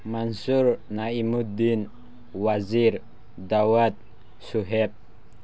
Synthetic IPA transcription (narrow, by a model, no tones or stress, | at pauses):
mansurnaimud̪in | wazir | d̪awat̪̚ | suɦɛp̚